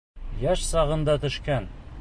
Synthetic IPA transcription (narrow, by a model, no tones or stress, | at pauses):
jæʃsɑʁɤ̆nd̪ɑt̪ɵ̆ʃkæn